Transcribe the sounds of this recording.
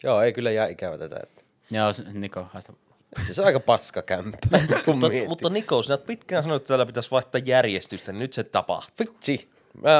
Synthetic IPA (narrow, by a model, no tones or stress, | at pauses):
joːeˑikylːæjæˑikæʋæ̰t̪æt̪æ̰ḛt̪ːæ̥ | joːsnikohɑs | seseɑˑikɑpɑskɑkæmpæ | mut̪ːɑnikosnæt̪̚pit̪kæːnsɑnoˑet̪ːæt̪æːlːæpit̪æsʋɑˑiht̪ːˑɑjjærjest̪yst̪æninyt̪set̪ɑpɑ̰ht̪it̪si | mæ